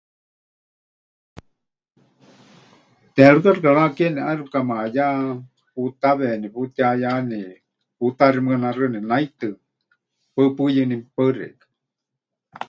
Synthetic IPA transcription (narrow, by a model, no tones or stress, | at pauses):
t̪ɛɺukarɨkaɺakɛniʔarukamaaja | put̪aβɛniput̪iajani | put̪aɾimɨkanarɨninait̪ɨ | pəpɨjɨnipərḭ̥